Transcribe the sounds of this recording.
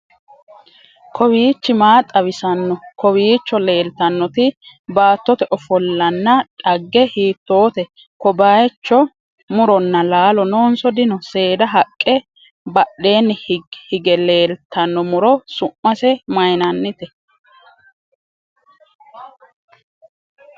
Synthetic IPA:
kʰɔwiːt͡ʃːɪmaːt̪ʼɐβɪsɐnːɔkɔwiːt͡ʃːɔle̞ːlt̪ɐnːɔt̪ɪ | baːt̪ːɔt̪ɛʔɔfɔlːɐnːɐᶑɐɡːɛhiːt̪ːo̞ːt̪ɛ | kɔbaːjɛt͡ʃːɔ | mʊɾɔnːɐlaːlɔnoːnsɔd̪ɪnɔse̞ːd̪ɐɦɐkʼːɛ | bɐɗe̞ːnːhhɪɡɛle̞ːlt̪ʰːɐnːɔmʊɾɔsʊʔːɐsɛmɐjnɐnːɪt̪ɛ

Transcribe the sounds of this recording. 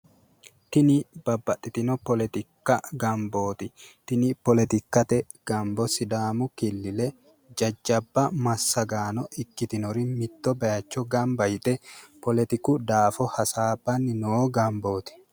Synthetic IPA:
t̪ɪnɪb̥ɐbːɐt̪ːɪt̪ɪnɔpɔlɛt̪ɪkːɐɡɐmboːt̪ɪt̪ɪnɪpɔlɛt̪ɪkːɐt̪ɛ | ɡ̥ɐmbɔsɪd̪aːmʊkɪlːɪlɛ | d͡ʒɐd͡ʒːɐbːɐmɐsːɐɡaːnɔɪkːɪt̪ɪnɔɾɪmɪt̪ːɔbɐjɐt͡ʃːɔɡɐmbɐjɪt̪ʼɛpɔlɛt̪ɪkʊd̪aːfɔhɐsaːbɐnːɪnɔɡɐmboːt̪ɪ̥

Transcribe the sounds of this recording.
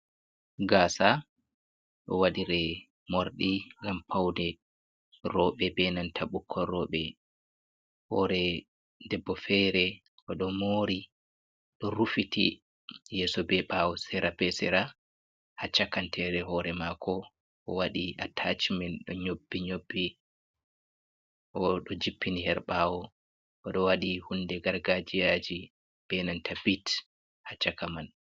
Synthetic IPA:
ɡaːsa | ɗɔ̰waɗiɾɛ | moɾɗiŋɡampʰawdɛ | ɾɔɓɛbɛnantʰaɓukʰːɔɾɔɓɛ | hɔɾɛ | ddɛbːɔfɛɾɛ | ʔɔɗɔmoːɾi | ɗɔɾufitḭ | jɛːsɔbɛɓawɔsɛɾʔabɛsɛɾa | hat͡ʃːakantʰɛɾɛɦɔːɾɛmakʰɔ | ʔɔwaɗiatʰat͡ʃmɛnɗɔɲobːiɲobːi | ʔɔɗɔd͡ʒipʰːinihɛɾɓawɔ | ʔɔɗɔwaɗihundɛɡaɾɡad͡ʒijad͡ʒi | b̥ɛnantʰabit | hat͡ʃːakaman

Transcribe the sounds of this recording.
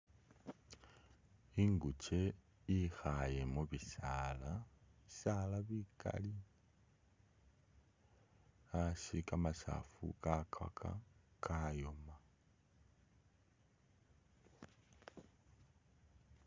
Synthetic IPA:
iŋɡut͡ʃe̞ | jixajemuβisalaβisalaβika̰li | asikamasa̰fṵkakʰa̰kʰa̰kʰajoma

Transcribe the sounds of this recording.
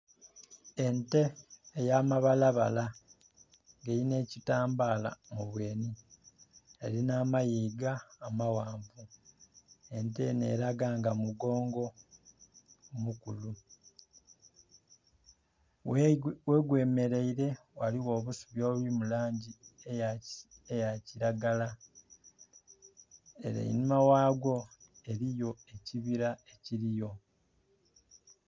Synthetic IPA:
e̞nte̞ːjaːmaβalaβa̰la | ŋɡeɾine̞ːcitaːmbaːla̰muβwe̞ːni | elinaːmajiːɡaːmawaːmvu | e̞nte̞ne̞̰ːɾaɡaːŋɡamuɡo̞ːŋɡo̞ | mukulu | we̞ːɡwe̞ːme̞ɾe̞iɾe̞waliwo̞ːβusu̥βjo̞ːβuimulaːɲɟie | ejaciɾaɡala | e̞̰ɾḛḭnimawaːɡwo̞e̞ɾijo̞e̞ciβiɾaeciɾijo̞

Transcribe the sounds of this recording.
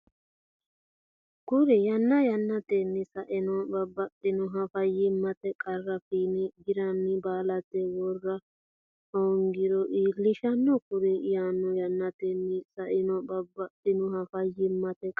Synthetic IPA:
kʊɾɛjɐnːɐjɐnːɐt̪enːɪsɐʔɪnɔbɐbːɐtːɪnʊɦɐfɐjːɪmːɐt̪ɛkʼɐrːɐfiːnɛɡɪɾɐnːɪbaːlɐt̪ːɛwɔrːɐ | oːŋɡɪɾɔʔilɪʃɐnːɔkʊɾɛʔɪjanːɔjɐnːɐt̪enːɪsɐʔɪnɔbɐbːɐt̪ːɪnʊhɐfɐjːɪmːɐt̪ɛkʼ

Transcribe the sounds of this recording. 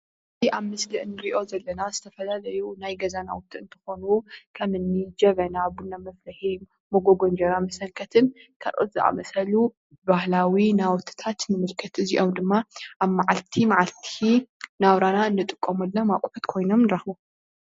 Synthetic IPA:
ɨziʔaβmɨslɨʔnːɨɾiʔo̞zɐlːɐnazɨt̪ʰɐfɐlalɐjunajɡɐzana̰wɔt̪ʰɨɨnt̪ʰɨ̥xo̞nukʰɐmɨnːid͡ʒɐβɐnaβunːamɐflɐhi | moɡoɡo̞nd͡ʒɐɾamɐsɐŋkʰɐt̪ʰɨnkʰa̰lʔo̰t̪zɨʔa̰mɐsɐlu | bahlawinawɔt̪ʰːɨ̥t̪ʰat̪nɨmɨlkʰɐt̪ɨziʔo̞md̪ɨmːaʔaβmaʕalt̪ʰimaʕalt̪ʰinaβɾanaɨnːɨt̪ʼɨkʼːomulːamakʼħut̪kʰo̞jno̞mnɨɾaxbu

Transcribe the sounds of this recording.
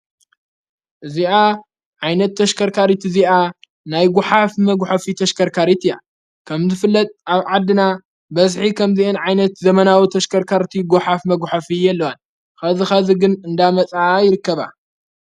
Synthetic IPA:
ʔɨziʔa | ʕajnɐt̪ʰːɐʃkʰɐɾkʰaɾit̪ʰɨziʔa | najɡʊħafmɐɡʷħɐfit̪ʰɐʃkʰɐɾkʰaɾit̪ɨja̰ | kʰɐmzɨfɨlːɐt̪ʼʔaβʕad̪ɨna | bɐzħikʰɐmziʔɨnʕajnɐt̪zɐmɐnawit̪ʰɐʃkʰɐɾkʰaɾt̪ʰiɡʊħafmɐɡʷħafijɛlːɐwan | xɐzixɐziɡɨnɨnd̪amɐt͡sʼaajɪɾɨkːɐβa̰

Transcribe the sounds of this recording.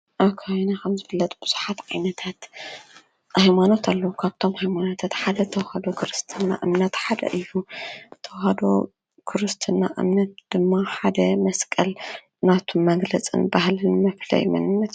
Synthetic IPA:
ʔɐkʰajnakʰɐmzɨfɨlːɐt̪ʼb̥ɨz̥uħat̪ʕajnɐt̪ʰat̪ | hajmano̞t̪ʰalːɐwukʰaβt̪ʰo̞mhajmano̞t̪ʰat̪ħad̪ɐt̪ʰɐwhad̪okʰɨɾɨst̪ʰɨnːa̰ʔɨmnɐt̪ħad̪ɐ̰ʔɨjːut̪ʰːɐwhad̪o̞̰ | kʰɨɾɨst̪ʰɨnːa̰ʔɨ̰mnɐt̪̚d̪̥ɨmːaħad̪ɐmɐskʼɐl | nat̪ʰummɐɡlɐt͡sʼɨ̰nbahlɨnmɐflɐ̰jmɐ̰nɨnːɐt̪

